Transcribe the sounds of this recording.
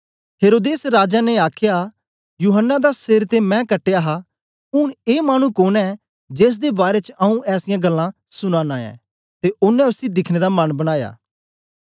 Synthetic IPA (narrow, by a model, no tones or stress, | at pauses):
ɦeːɾoːd̪eːsɾaːd͡ʒanɛaːkʰja | juːɦənːad̪asɪɾt̪emɛ̃kɐʈːejaɦa | ʊɽ̃eːmaːɽ̃ũkoːnɛ | d͡ʒeːs̬d̪ebaːɾet͡ʃʔɐũʔɛːsɪjãɡɐlːã | sʊñãnaːjã̰ | t̪eʔʊnːɛ̃ʊsid̪ɪkʰñed̪amɐnbɐɽ̃aːja̰ː